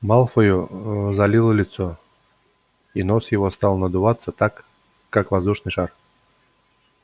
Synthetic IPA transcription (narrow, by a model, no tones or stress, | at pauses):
malˠfəjʊzɐlʲilˠəlʲɪt̪so | inosjɪvost̪alˠnəd̪ʊvat̪sːət̪akː | akvɐzd̪uʂnɨjʂar